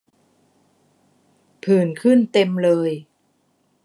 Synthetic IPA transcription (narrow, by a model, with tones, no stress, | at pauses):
pʰɯː˨˩nkʰɯ˥˩nt̪e˧mlɤː˧j